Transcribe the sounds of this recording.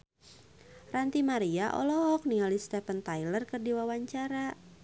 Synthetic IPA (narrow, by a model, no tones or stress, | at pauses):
rant̪imaɾiaʔɔ̰lɔɔk̚niŋalist̪ɛfənt̪ajlərkərdiwawaɲt͡ʃaɾa